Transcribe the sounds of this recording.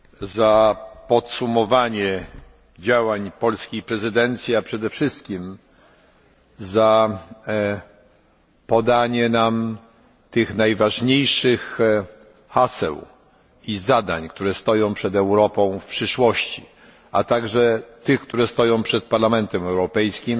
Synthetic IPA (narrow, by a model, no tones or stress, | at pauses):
zapɔt̪sumɔvaɲɛ | d͡ʑawaɲpɔlskʲijpɾɛzɘd̪ɛnt̪sʲjiapʂɛd̪ɛfʂɘst̪kʲim | za | pɔd̪aɲɛnam | t̪ɘxnajvaʐɲejʂɘx | xasɛ̰w | izad̪a̰ɲkt̪uɾɛst̪ɔjɔ̃w̃pʂɛd̪ɛwɾɔpɔ̃w̃fpʂɘʂwɔɕt͡ɕi | a̰t̪aɡʐɛt̪ɘxkt̪uɾɛst̪ɔjɔ̃w̃pʂɛt̪̚paɾlamɛnt̪ɛmɛwɾɔpɛjskʲim